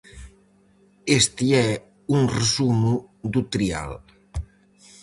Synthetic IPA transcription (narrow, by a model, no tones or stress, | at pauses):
est̪iɛ | unrəzumud̪ut̪ɾia̰l